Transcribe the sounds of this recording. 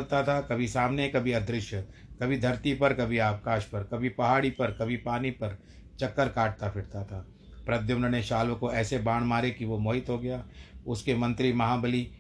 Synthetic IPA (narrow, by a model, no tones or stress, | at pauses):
lt̪at̪ʰakɐbʱisaːmnekɐbʱiɐd̪ɾɪʃjəkɐbʱid̪ʱɐɾt̪ipɐɾkɐbʱiaːpkaːʃpɐɾkɐbʱipɐɦaːɽipɐɾkɐbʱipaːnipɐɾ | t͡ʃɐkːəɾkaːʈ̚t̪apʰɪɽt̪at̪ʰaː | pɾɐd̪jəmnəneʃaːlʋkoɛːsebaːɽ̃maːɾekiʋomoːɦɪt̪ɦoɡɐjaːʊskemɐ̃nt̪ɾimɐɦaːbəli